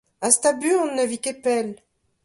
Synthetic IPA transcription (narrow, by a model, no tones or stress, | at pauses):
ast̪abyɔ̃nːəvikepɛl